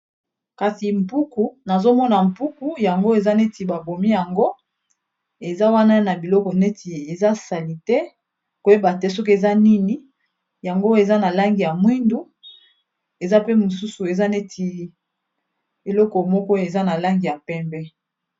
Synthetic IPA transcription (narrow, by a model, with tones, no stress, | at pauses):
ka˨si˨m̩˨pu˦ku˨na˨zo˦mɔ˦na˨m˨pu˦ku˨ja˨ŋɡo˦e˨za˦ne˦ti˨ba˨bo˨mi˦ja˨ŋɡo˦ | e˨za˦wa˦na˦na˨bi˨lɔ˦kɔ˨ne˦ti˨e˨za˦sa˨li˨tɛ˦ | ko˨je˦ba˨tɛ˦s̬ɔ˦k̬e˨za˦ni˦ni˦ | ja˨ŋɡo˦e˨za˦na˨la˦ŋɡi˨ja˨mwi˦ndu˨˦ | e˨za˦pe˦mo˨su˦su˨e˨za˦ne˦tʰi˨li˦ | e˨lɔ˦kɔ˨mɔ˦kɔ˦e˨za˦na˨la˦ŋɡi˨ja˨pɛ˦mbɛ˦